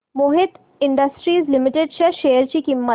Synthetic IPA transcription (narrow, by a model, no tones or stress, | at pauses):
mʊɦɪt̪ | ɪ̃ɳɖəsʈɾiːzlɪmɪʈeɖʃɐʃeːəɾt͡ʃikimːə